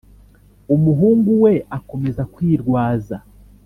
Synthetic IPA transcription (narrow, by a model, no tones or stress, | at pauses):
umuɦuːŋɡuwe̞ʔako̞me̞zakwiːɾɡwaːza